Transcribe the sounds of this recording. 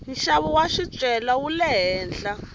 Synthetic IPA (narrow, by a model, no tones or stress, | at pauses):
ɦiʃaβuwaʃit͡ʃʼɛlawulɛɦɛːnd͡ɮa